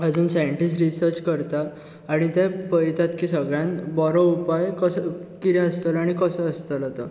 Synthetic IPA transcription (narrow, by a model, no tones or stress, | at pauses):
əd͡zuːnsajəɳʈisʈɾisəɾt͡ɕkəɾt̪aː | ɽ̃it̪ɛpəjt̪at̪kisəɡɭjãnbɔɾɔupajkəskit̪ɛəst̪əlaɽ̃ikəsəəst̪əlɦɔt̪ɔ